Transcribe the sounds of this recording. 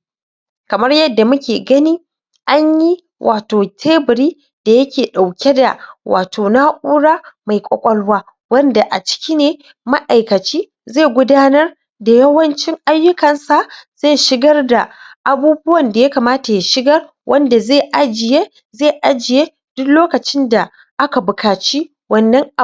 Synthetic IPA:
kɐ˨mɐ˦rjɐ˦dːa˨mʊ˦kʲeː˨ɡɐ˦niː˦ | ʔa˦ɲji˦ | wʔa̰ː˨toː˨tʰeː˦bɪ˨ɾiː˦ | d̥a˨jɐ˦kʲeː˨ɗa˨wkʲɛ˦da̰˨wʔaː˨tʰoː˨na˦ʔʼuː˦ɽaː˦ma˨jkʷʼɔ̰˨kʷʼɔ˦lwaː˦ | wɐ˦nda˨ʔa̰˨t͡ʃɪ̥˦kʲiː˦neː˨ | mɐ˦ʔa˨jkɐ˨t͡ʃiː˦ | ze˦˨ɡʷʊ˦daː˦nɐ˦r | da˨jɐ˦wɐ˦nt͡ʃɪ˦ŋʔa˦jːʊ˦kɐ˨nsa˨z̥e˦˨jʃɪ˦ɡɐ˦rda˨ʔa˨buː˦bʊ˦wɐ˨nda˨ja˦ka˨maː˦ta˨ja˨ʃɪ˦ɡɐ˦r | wʔɐ˦nda˨zeː˦˨ʔa˦d͡ʒɪ˨jeː˦ | ze˦˨ʔa˦d͡ʒɪ˨jeː˦ | d̥ʊ˦kloː˦kɐ˨t͡ʃɪ˦nda˨ | ʔa˦ka˨bʊ˨kʰaː˨t͡ʃiː˦ | wɐ˦nːɐ˦ŋ˨

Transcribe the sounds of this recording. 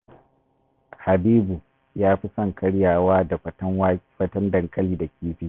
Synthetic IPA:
ha˨biː˦bu˨ | jaː˦ɸi˦sɐ˦˨ŋkʼɐ˦ɽjaː˨waː˦da˨ɸɐ˦tɐ˦ŋwa˦ɸɐ˦tɐ˦ndɐ˨ŋkʼɐ˦liː˨da˨kʲiː˦ɸiː˦

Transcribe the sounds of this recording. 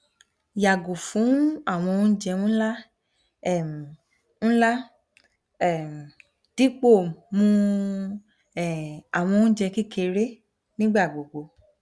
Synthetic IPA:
ja˨ɡo˨fũ˨˦a˦˨w̃ɔ̃˧˦d͡ʒɛ˧nũ˦la˦ | ɛ˦˨m˨ | ñ̩˦la˦ | ɛ˦˨ | d̥i˦k͡po˦˨mũ˧˦˨ | a˨w̃ɔ̃˧˦d͡ʒɛ˧ki˦kʰe˧ɾe˦ | nĩ˦ɡ͡ba˦˨ɡ͡bo˨ɡo˨˧

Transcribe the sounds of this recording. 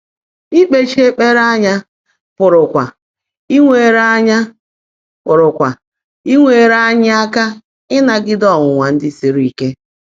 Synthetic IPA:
i˦k͡pe˦t͡ʃi˦e˦k͡pe˦ɾa˦ɲa˦ | pʊ˨ɾʊ˨kʷa˨ | i˦ŋʷe˨ɾa˦ɲa˦ | pʊ˨ɾʊ˨kʷa˨ | i˦ŋʷe˨ɾa˦ɲɪ˦a˦ka˦ | ɪ˦na˨ɡɪ˦dɔ˦˨ŋʷʊ˨ŋʷa˨n̩˦dɪ˦si˨ɾi˨ke˦

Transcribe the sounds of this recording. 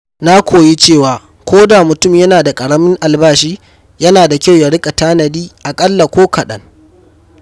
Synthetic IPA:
na˦kʷʰoː˨ji˦t͡ʃeː˦˨waː˨ | kʷoː˦da˨mʊ˨tʊ˦˨mjɐ˦naː˨da˨kʼɐ˨ɽɐ˦mɪ˦ŋʔa˨lbaː˦˨ʃiː˦ | jɐ˦naː˨da˨kʲa˦˨wja˨ɽɪ˦kʼa˨taː˦nɐ˨diː˦ʔa˨kʼɐ˦lːa˨kʷoː˦kʰɐ˨ɗɐ̰˦ŋ

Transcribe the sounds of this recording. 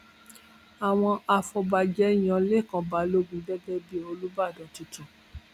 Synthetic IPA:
a˨w̃ɔ̃˧a˧fɔ˧ba˧d͡ʒɛ˨˦˨j̃ã˧le˦˨kã˨˧ba˨˦lo˦ɡũ˧˦dɛ˦bɛ˦bi˦o˧lu˦ba˦˨dɛ˨˦ti˨˧tũ˨

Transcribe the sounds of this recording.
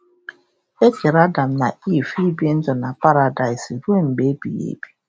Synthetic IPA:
e˦ki˨ɾa˦da˨m̩˨na˨i˦˨fi˦bi˦n̩˦d͡ʒɔ˨na˨pa˦ɾa˨da˨ɪ˨si˨ɾu˦e˦ŋ͡m̩˨ɡ͡be˦bḭ˨jḛ˦bi̥˦

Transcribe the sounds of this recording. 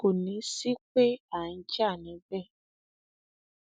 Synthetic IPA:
ko˨nĩ˨˦si˦k͡pe˦a˦˨n̩˦d͡ʒa˦˨nĩ˨˧˦bɛ˦˨

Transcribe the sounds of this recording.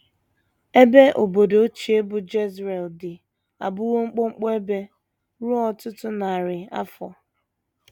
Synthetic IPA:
e˦be˦ʔo˨bo˨do˨o˦t͡ʃi˨e˦bʊ˨d͡ʒe˦zɾe˨ldɪ˨ | a̰˨bʊ˦wo˦ŋ͡m̩˦k͡po˦ŋ͡m̩˦k͡pɔ˦e˦be˦ | ɾu˦ɔ˦tʊ˦tʊ˦na˨a˨ɾɪ˨a̰˦fɔ̰˨

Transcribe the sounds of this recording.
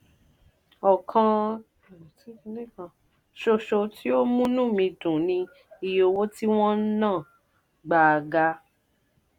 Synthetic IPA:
ɔ˨kʰã˧˨˦ | ʃo˧ʃo˧ti˦o˦mũ˦nũ˦˨mĩ˧dũ˨nĩ˧ | i˨jo˧wo˦ti˦w̃ɔ̃˦n̩˦nãː˦˨ | ɡ͡ba˨˧ɡa˧˦

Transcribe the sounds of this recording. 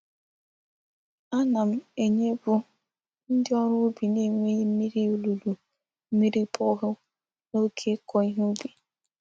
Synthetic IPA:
a˦na˨m̩˨e˨ɲe˦bu˦ | n̩˦dɪ˦ɔ˦ɾʊ˦bi˨ne˦ŋʷe˦je˦m̩˦mi˦ɾi˦o˨lu˨lu˨ | m̩˦mi˦ɾi˦pʰɔ˦ɦʊ˦ | no˦kʰe˦kʰɔ˨˦i˦ɦu˦bi˨

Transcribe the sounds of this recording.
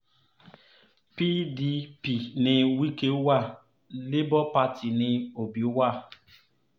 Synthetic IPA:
pi˦di˦pi˨nɪ˨wi˦ke˦wa˦˨ | lɪ˦bɔ˦pa˦tʰi˨nɪ˨o˨bi˨u˦wa˦˨

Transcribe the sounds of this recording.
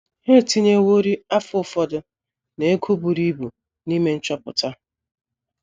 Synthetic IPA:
he˦˨ti˦ɲe˦wo˦ɾi˦a˦fʊ˦˨fɔ˨dʊ˦ | ne˨e˦kʰo˦bu˨ɾi˦bu˨ | ni˦me˦n̩˦t͡ʃɔ˦pʊ̰˨ta˦

